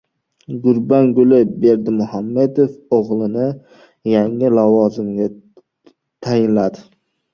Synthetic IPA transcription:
ɡʊɾbaŋɡʊlɪbe̞ɾd̪ɪmʊhamːe̞d̪ofoʁlˠɪnɪ | jaŋɪlavɒzɪmɡʲa | t̪ʰajɪnlad̪ɪ

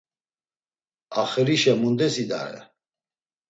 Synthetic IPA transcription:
aχɛɾiʃɛmund̪ɛsid̪a̰ɾɛ̰

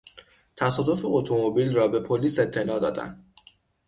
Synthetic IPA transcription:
t̪ʰæsɒːd̪o̞feot̪ʰomobilrɒːbe̞pʰoliːse̞t̪ʰːe̞lɒːd̪ɒ̰ːd̪æ̰nd̪

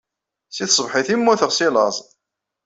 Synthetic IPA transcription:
siθsˤəvħiθimːʊθəʁsilɑzˤ

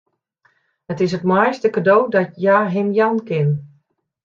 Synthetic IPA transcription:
hətɪs̬ətmajstəkadowdɔtjaːɦɪmjankɪn

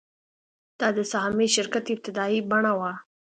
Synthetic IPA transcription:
d̪̥ɑd̪əsahmeʃɪɾkat̪ɪb̚t̪ɪd̪ɑibaɳawa

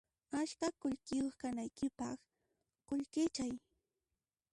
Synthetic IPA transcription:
aʃkakʊʎkɪjoχkanajkɪpɑχ | kʊʎkɪt͡ʃaj

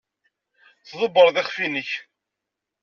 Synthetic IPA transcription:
θðˤʊbːəɾˤðɪχfinəç

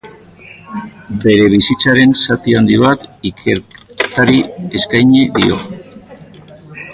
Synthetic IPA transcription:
be̞ɾe̞β̞isit͡saɾe̞nsat̪iand̪iβat̪ikʰe̞ɾt̪aɾie̞skajɲe̞ðio̞̰

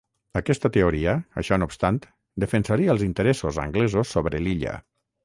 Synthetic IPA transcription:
əkɛst̪ət̪eoɾiəə̰ʃɔnupst̪ant̪ | d̪əfənsaɾiəlˠzint̪əɾɛsozə̰ŋɡlɛzosːoβɾeliʎə̰

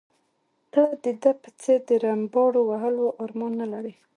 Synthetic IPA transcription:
təlad̪əd̪apə̥t͡seɾd̪əɾambɑɽowaɦəloʔɑɾmɑnːalaɾi

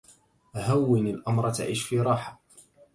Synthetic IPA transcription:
ɦawːɪnɪlʔamɾˤt̪a̰ʕiːʃfiːɾˤɑːħḁ

